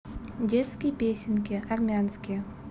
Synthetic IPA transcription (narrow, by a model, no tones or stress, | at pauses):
dʲet̪skʲijpʲesʲɪnkʲeʔarmʲanskʲi